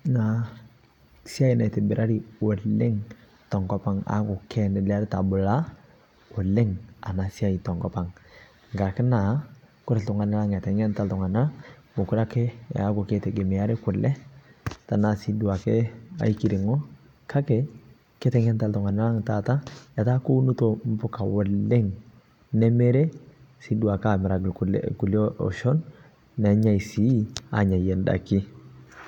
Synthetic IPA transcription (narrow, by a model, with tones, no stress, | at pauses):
na˨ | si˦a˦i˨na˨te˨bɪ˨ɾʔa˦ɾi˦˨o˨lɪ˦ŋ | tɔ˨ŋɡɔ˦pa˦ŋa̰˨˦kʊ˨kʰɛ˦nɪ˨la˦ɾɪ˦ta˨bʊ˨la˦ | o˨lɪ˦ŋa˨na˨si˦a˦i˨tɔ˨ŋɡɔ˦pa˨ŋ | ŋɡa˨kɪ˦na˨kʊ˦ɾe˨ltʊ˨ŋa˨na˦la˦ŋɛ˨tɛ˨ŋɛ˦nta˦ltʊ˨ŋa˨na˦la˦o˨kʊ˦ɾa˦kɪ˦a̰˨a˦kʊ˨ke˦te˨ɡe˨mi˨a˦ɾe˦kʊ˨lɛ˦ta˨na˨si˦du˨a˨ke˦a̰˨i˦ki˨ɾi˨ŋɔ˦ | kʰa˦kɛ˨ | ke˦tɛ˨ŋɛ˦nta˨ltu˨ŋa˨na˦la˦ŋta˨ta˦ja˨ta˦ku˦nu˦to˨m̩˦pʊ˦ka˨wɔ˨lːe˦ŋ | nɛ˦me˦ɾe˦si˦du˨a˨ka˨mɪ˨ɾa˨ɡl̰ku˨lo˦ɔ̰˨ʃɔ˦nː | ɛ˨˦ɲa˦˨i˨si˦a̰˨ɲa˨je˨nda̰˨ki˦